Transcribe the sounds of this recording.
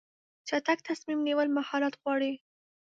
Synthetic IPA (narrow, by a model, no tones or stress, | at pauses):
t͡ʃat̪ak̚t̪asmimniwəlmahɑlat̪ɣwɑɽi